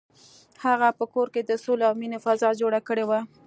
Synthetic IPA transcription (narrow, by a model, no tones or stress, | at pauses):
haɣapəkoɾked̪əsolawminofazɑd͡ʒoɽakəɽewa